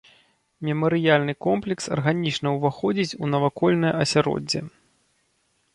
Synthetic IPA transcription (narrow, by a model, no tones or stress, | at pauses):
mʲimɐɾɨjalʲnɨkɔmplʲɛksɐ̰rɣanʲit͡ʂnɐwvaxɔd͡zʲit͡sʲunɐvakɔlʲnɐjɐsʲaɾɔ̰d͡zʲːɛ̰